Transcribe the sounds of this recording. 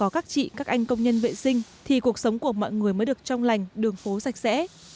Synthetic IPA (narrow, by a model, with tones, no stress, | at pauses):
ɔ˨˦kaː˦˥k̚t͡ɕḭ˧˨kaː˦˥k̚ʔa˧jŋ̟kə˧wŋ͡mɲə˧nvḛ˧˨sï˧ŋ̟t̪ʰi˨˩ku˨˩ək̚sə˨˦wŋ͡mku˧˩əmɔ̰˧˨jŋɨ˨˩əjməː˨˦ɗɨ˨˩ət͡ɕɔ˧wŋ͡mla˨˩jŋ̟ɗɨ˨˩əŋfo˨˦za˨˩jk̚sɛ̰˧˥